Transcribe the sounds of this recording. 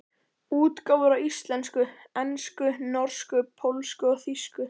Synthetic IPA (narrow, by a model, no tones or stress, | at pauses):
uːt̪kawvʏɾawist̪lɛnskʏ | ɛnskʏnɔɾ̥skʏpʰowlskʏɔɣθiskʏ